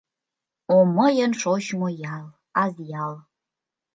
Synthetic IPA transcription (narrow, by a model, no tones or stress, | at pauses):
omə̆jə̆nʃoɕmojɑl | ɑzjɑl